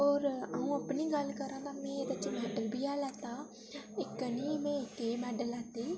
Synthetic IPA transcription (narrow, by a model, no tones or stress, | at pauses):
ɔːɾəũːəpniːɡəlkəɾãːd̪aːmɛ̃ːed̪ət͡ʃmɛːɖəlbiːaːlɛːt̪aː | ɪkəniːmẽːɪkeːmɛːɖəlaːt̪eː